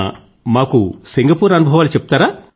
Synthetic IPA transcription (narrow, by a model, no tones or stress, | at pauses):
maːkusiŋɡɐpuːɾɐnubʱɐʋaːlut͡ʃepːu̥t̪aːɾaː